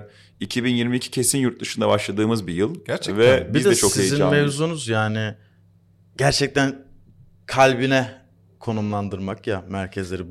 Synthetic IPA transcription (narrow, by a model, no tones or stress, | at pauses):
icʰibinjiɾmiːcʰi̥cʰe̞sinjuɾt̪̚d̪ɯʃɯnd̪a̰baʃlˠad̪ɯːmɯzbijɯlˠæɾt͡ʃɛvɛbizd̪ɛɛt͡ʃʰoksiezjiinmevzunuzjaːnɪ | ɟæɾt͡ʃʰɛc̚t̪ʰæn | kʰalʲbinɛ | kʰo̞numlˠand̪ɯɾmakjamæɾcʰɛzlʲeɾi